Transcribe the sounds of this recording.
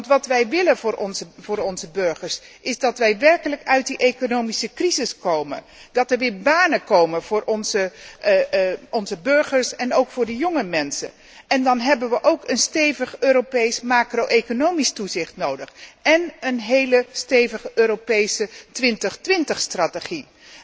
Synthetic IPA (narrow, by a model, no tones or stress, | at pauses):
ʋɑntʋɑtʋɛjʋɪlənvʊːɹɔnzəvʊːɾɔnzəbøɹχəɹsʔɪzdɑtʋɛjʋɛrkələkœɥt̚diʔejkonowmisəkrizɪskowmə̰ndɑtɛɹʋɪːɹbaːnəkowməvʊːɹʔɔnzə | ɔnzəbɵɹχəɹsɛnowkfʊːɹdəjoŋəmɛnsə̰n | ʔɛndɑnɦɛbənʋəʔowkənstejvəχøːɾopejsmaːkrowʔekonowmistuzɪχtnowdəχɛnənɦejləstejvəχəʔøːɾopejsətʋɪntəχtʋɪntəχstrateχi